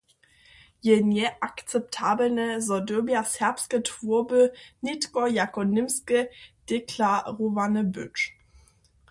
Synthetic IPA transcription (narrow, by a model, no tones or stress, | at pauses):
jɛnjɛʔakt͡sɛp̚tʰaːblnəzɔdøɐbjasɛɐpskətʰv̥uɐbənitkɔjakɔnɪmskəd̥ekʰlaʁovanəbʏt͡ʃ